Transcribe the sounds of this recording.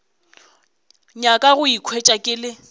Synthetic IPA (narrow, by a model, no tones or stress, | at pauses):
ɲakʼaɣʊikʰwet͡ʃʼakʼɪlɪ